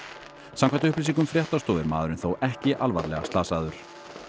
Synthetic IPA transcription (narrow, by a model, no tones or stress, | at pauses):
samkʰant̪ʏʏplɪsiŋkʏmfɾjɛht̪ast̪ɔːðɪɾmaːðʏɾʏnθowɛhcɪʔalva̰ɾlɛ̰ɣa̰st̪aːsaðʏɾ̥